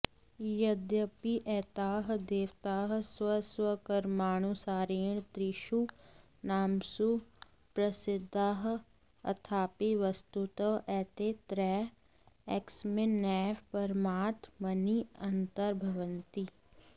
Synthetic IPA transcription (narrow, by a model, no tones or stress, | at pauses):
jɐd̪jəpiʔɛːt̪aːɦd̪eːʋt̪aːɦswəswəkɐɾmaːɳ̃usaːɾeːɳ̃t̪ɾɪʃu | naːmsu | pɾɐsɪd̪ʱːaːɦ | ɐ̰t̪ʰaːpiʋɐst̪ut̪əʔɛːt̪et̪ɾɛː | eksmɪnɛːʋpɐɾmaːt̪mɐniɐnt̪əɾbʱɐʋənt̪i